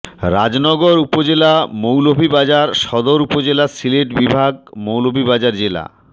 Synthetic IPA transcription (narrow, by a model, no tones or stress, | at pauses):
ɾa̰d͡ʑnɔɡoɾupod͡ʑelamowlobʱibad͡ʑaɾʃɔd̪oɾupod͡ʑelasileʈbibʱaɡ̚mowlobʱibad͡ʑaɾd͡ʑela̰